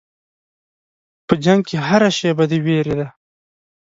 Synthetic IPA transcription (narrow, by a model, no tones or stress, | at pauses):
pəd͡ʒaŋɡ̚keɦaɾaʃejbad̪eweɾed̪a